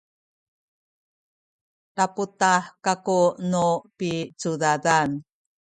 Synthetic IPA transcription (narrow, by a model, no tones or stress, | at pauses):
taputaħkakunupit͡sudadan